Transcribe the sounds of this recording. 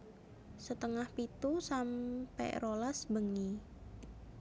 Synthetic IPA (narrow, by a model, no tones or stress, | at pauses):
sət̪əŋahpit̪usampɛ̰rolasbəŋi